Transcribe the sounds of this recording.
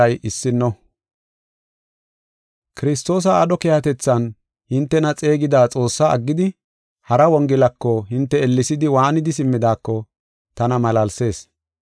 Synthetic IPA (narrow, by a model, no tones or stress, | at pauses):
ɐjʔɪsːɪnːɔ | kɪɾɪst̪o̞ːs̬ɐːɗɔkehɐt̪ɛt͡sːɐn | hɪnt̪ːɛnɐt͡sʼe̞ːɡɪd̪aːt͡sʼo̞ːsːaɐɡːɪd̪ɪ | hɐɾɐwɔŋɡɪlɐkːɔɦɪnt̪ːɛɛlːɪsɪd̪ɪwaːnɪd̪ɪsɪmːɪd̪aːkːɔ | t̪ɐnɐmɐlɐlse̞ːs